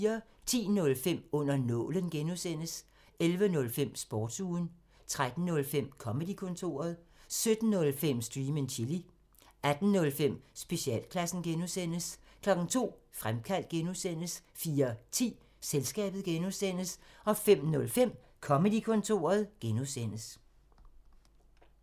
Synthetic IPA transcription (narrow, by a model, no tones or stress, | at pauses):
ɐ | t͡sʰḭːnɔ̽lfem̰ɔ̽n̰ɐnɔ̽lənɡ̥enusen̰əs | elʋənɔ̽lfem̰sb̥ɒːd̥suːn | t͡sʰʁad̥n̩nɔ̽lfem̰kʰɒ̽məd̥ikʰɔ̽nt͡sʰo̝̰ːɐð̞ˠsød̥n̩ːɔ̽lfem̰sd̥ʁiːmənt͡ɕʰili | æd̥n̩nɔ̽lfem̰sb̥e̝ɕiɛ̰ːlkʰlæsn̩ɡ̥enusen̰əs | kʰlɒ̽ɡ̥n̩t͡sʰo̝̰ː | fʁamkʰæl̰d̥̚ɡ̥enusen̰əsfiːɐt͡sʰḭː | selsɡ̥ɛ̰ːb̥ð̩ˠɡ̥enusen̰əsɒ̽fem̰nɔ̽lfem̰ | kʰɒ̽məd̥ikʰɔ̽nt͡sʰo̝̰ːɐð̞̩ˠɡ̥enusen̰əs